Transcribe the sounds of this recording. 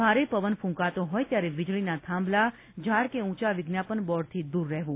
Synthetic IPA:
bʱaɾepəʋənfũŋkat̪oɦɔjt̪jaɾeʋɪd͡ʒɭinat̪ʰãmbla | d͡ʒʱaɾkeũt͡ʃaʋɪɡnjapənbɔɽt̪ʰid̪uɾːɛɦʋũ

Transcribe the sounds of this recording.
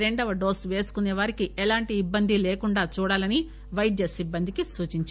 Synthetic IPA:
ɾeɳɖɐʋɐɖoːsʋe̞ːsu̥kuneːʋaːɾikiʔɛlaːɳʈiːbːɐnd̪ʱileːkuɳɖaːt͡ʃuːɽaːlɐni | ʋɐjɖjɐsibːɐnd̪ʱikisuːt͡ʃiɲt͡ʃ

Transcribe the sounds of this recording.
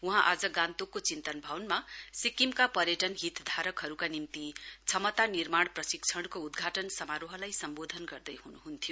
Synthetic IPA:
uɦãʔad͡zʌɡãnt̪okːot͡sint̪ʌnbʱawnmasikimkapʌɾjʌʈʌnɦit̪d̪ʱaɾʌkɦʌɾukanimt̪it͡sʰʌmʌt̪anirmaɽ̃prʌsikt͡sʰʌɽ̃koud̪ɡʱaʈʌnsʌmaɾoɦʌlajsʌmbod̪ʱʌnɡʌrd̪ʌjhunuɦunt̪ʰijo

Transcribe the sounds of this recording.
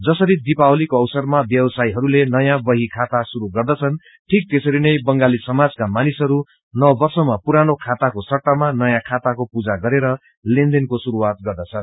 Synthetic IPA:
d͡zʌsʌɾid̪ipawlikoʌwsʌrmabjʌbʌsajɦʌɾulenʌjãbʌɦikʰat̪asuɾuɡʌrd̪ʌt͡sʰʌn | ʈʰik̚t̪esʌɾinʌjbʌŋɡalisʌmad͡zkamanisɦʌɾu | nʌbʌrsʌmapuɾanokʰat̪akosʌʈːamanʌjãkʰat̪akopud͡zaɡʌɾeɾʌ | lẽnd̪enkosuɾuwat̪̚ɡʌrd̪ʌt͡sʰʌn

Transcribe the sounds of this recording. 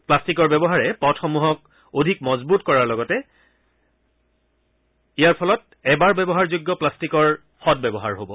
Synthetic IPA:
plastikɔɹbɛbɔɦaɹɛpɔtʰɔmuɦɔk̚ | odʱikmɔzbutkɔɹaɹlɔɡɔtɛ | ijaɹpʰɔlɔt | ɛbaɹbɛbɔɦaɹzuɡːɔplastikɔɹ | xɔt̚bɛbɔɦa̰ɹɦobɔ

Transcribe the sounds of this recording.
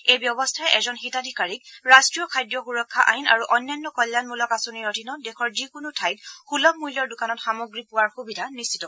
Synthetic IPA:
ejbjɔbɔstʰajɛʔɛzɔnxitadʱikaɹik̚ɹastɹijɔkʰajdɹɔɡuɹɔkʰːaʔajna̰ɹuʔɔnːanːɔkɔljanmulɔkasɔniɹɔtʰinɔdɛkʰɔɹzikʊnutʰajt̚xulɔmujlɔɹdʊkanɔtxamoɡɹipʊwaɹxubidʱanistːʰi̥tɔ

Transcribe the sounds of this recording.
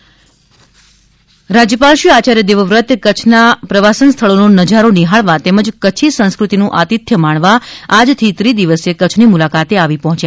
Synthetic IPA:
ɾad͡ʒjəpalʃjəat͡ʃaɾjəd̪eʋəʋɾət̪kət͡ʃʰnapɾəʋasənst̪ʰəɭononəd͡ʒaɾoniɦaɭʋat̪eməd͡ʒkət͡ʃʰisə̃nskɾut̪inũʔat̪it̪ʰjəmaɳʋaad͡ʒt̪ʰit̪ɾid̪iʋəsekət͡ʃʰnimulakat̪eaʋipɔɦɔ̃t͡ʃja

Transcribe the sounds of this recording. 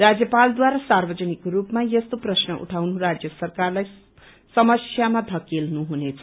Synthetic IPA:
rad͡zjʌpald̪waɾasarbʌd͡zʌnikɾupmajʌst̪oprʌsnʌʔṵʈʰawnurad͡zjʌsʌrkarlaj | sʌmʌsjamad̪ʱʌkelnuɦunet͡sʰʌ

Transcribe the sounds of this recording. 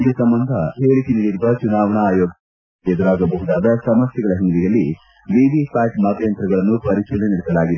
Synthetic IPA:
nd̪usɐmbɐnd̪ʱɐɦeːɭit̪iniɽiɾub̪ɐt͡ʃunaːʋɐɳɐːjɔːɡ | ɛd̪ɐɾaːɡɐbɐɦud̪aːd̪ɐsɐmɐsjɐɡɐɭɐɦind̪ijɐlːi | ʋiʋifaːʈmɐt̪ɐjɐnt̪ɾɐɡɐɭɐnːupɐɾiʃilɐniɽɛsɐlaːɡid̪e

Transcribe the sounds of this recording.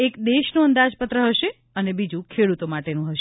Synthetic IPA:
ekd̪eʃnũənd̪ad͡ʒpət̪ɾəɦəʃe | ənebid͡ʒũkʰeɽut̪omaʈenũɦəʃe

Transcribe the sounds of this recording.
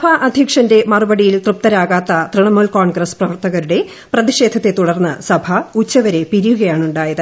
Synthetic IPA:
bʱɐʔɐd̪ʱikʂɐnde̞mɐrubɐɽijilt̪rɨp̚t̪ːɐɾaːɣaːt̪ːɐt̪rɨɳɐmoːlkoːɳɡrɐsprɐʋɐrt̪ɐɣɐɾuɽe̞ | prɐðiʂe̞ːd̪ʱɐt̪ːe̞t̪uɽɐrnːɐsɐbʱɐut͡ɕːɐʋɐɾe̞piɾijuɣɐjaːɳuɳɖaːjɐðɨ

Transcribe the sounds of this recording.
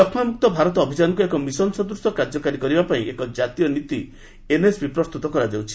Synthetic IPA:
ɔkʰmamuk̚t̪ɔbʱaɾɔt̪ɔːbʱid͡ʒanɔŋk̬uekɔmisɔnsɔd̪ɾuɾsɔkaɾd͡ʒɔkaɾikɔɾibapaĩʔekɔd͡ʒat̪ijɔnit̪i | enesbipɾɔst̪ut̪ɔkɔɾad͡ʒewt͡ʃʰi̥

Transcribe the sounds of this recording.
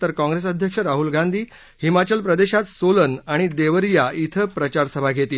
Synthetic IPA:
t̪əɾkãŋɡɾes̬əd̪ʱjəkʂəɾaɦulɡʱãnd̪ʱiː | himat͡ɕəlpɾəd̪eɕat̪solənaɽ̃id̪eʋəɾjaʔit̪ʰəpɾət͡ɕaɾsəbʱaɡʱet̪iː

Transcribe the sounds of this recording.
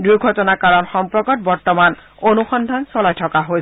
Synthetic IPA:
duɡʱɔtɔnakaɹɔnxɔmpɹɔkɔt̚bɔɹt̪ɔman | onuxɔnd̪ʱansɔlajtʰɔkaɦoj

